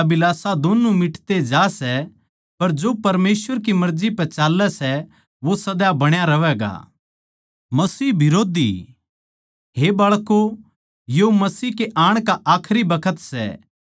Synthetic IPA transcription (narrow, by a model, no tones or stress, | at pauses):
bɪlaːsad̪oːnũmɪʈʰt̪ed͡ʒaːsɛ | pɐɾd͡ʒoːpɐɾmeːsʋəɾkimɐɾd͡ʒipɛt͡ʃaːlːɛsɛ | ʋosɐd̪jabɐɽ̃jaɾɐʋɛɡa̰ː | mɐsiːbɪɾoːd̪ḭ | ɦebɐːɭko | jomɐsiːkeʔaːɽ̃kaʔaːkʰɾibɐkʰət̪sɛ̰ː